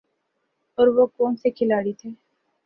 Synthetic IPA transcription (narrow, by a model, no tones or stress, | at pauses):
ɔːɾʋokoːmsekʰɪlaːɽit̪ʰeː